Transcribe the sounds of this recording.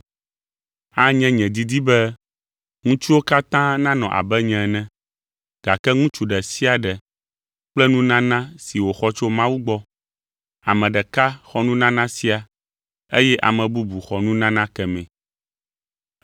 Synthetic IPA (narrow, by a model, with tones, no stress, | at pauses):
a˦ɲɛ̃˦ɲɛ̃˨d̪i˦d̪i˦bɛ˦ | ŋũ˦t͡ʃu˦wo˦ka˦t̪ã˦nã˦nɔ̃˨ʔa̰˨bɛ˦ɲɛ̃˨nɛ̃˦ | ɡ̥a˨kɛ˦ŋũ˦t͡ʃu˨ɖɛ˨si˦a˨ɖɛ˨ | k͡plɛ˦nũ˦nã˦nã˦si˨wo˨xɔ˦t͡ʃo˦mã˦wu˦ɡ͡bɔ˦ | a˨mɛ̃˨ɖɛ˨ka˦xɔ˦nũ˦nã˦nã˦si˦a˨ | e˦jɛ˦ʔa̰˨mɛ̃˨bu˦bu˨xɔ˨nũ˦nã˦nã˦kɛ˨mɛ̃˨